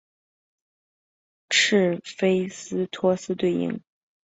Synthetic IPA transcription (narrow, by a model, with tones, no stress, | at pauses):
ʈ͡ʂʰɻ̩˥˩fe˥ɪsɹ̩˥t̪ʰwɔ˥sɹ̩˥t̪we˥˩ɪḭ˧˥ŋ